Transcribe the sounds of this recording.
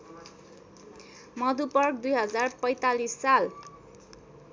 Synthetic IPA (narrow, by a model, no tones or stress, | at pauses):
mʌd̪upʌrk̚d̪ujɦʌd͡zarpʌjt̪alisːal